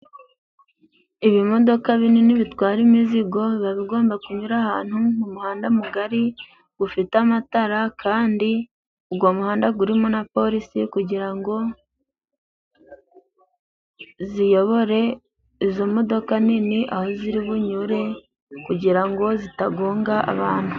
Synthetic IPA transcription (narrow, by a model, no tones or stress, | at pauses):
iβimo̞do̞kaβininiβitwaːɾimiziɡo̞βaβiɡo̞ːmbakuɲuɾahaːn̥humumuhaːndamuɡaɾi | ɡ̥ufitamataɾakʰaːndi | uɡwo̞ːmuhaːndaɡuɾimonapo̞ɾisikuɟiɾaŋɡo̞ | zijo̞βoɾe̞ | izo̞mo̞do̞kaniniʔaho̞ziɾiβuɲuɾe̞ | kuɟiɾaŋɡo̞zitaɡo̞ːŋɡaʔa̰βaːn̥u